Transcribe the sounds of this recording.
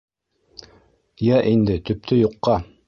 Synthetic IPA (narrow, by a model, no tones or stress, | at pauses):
jæʔind̪ɘt̪ɵ̆p̚t̪ʰɵjuqːɑ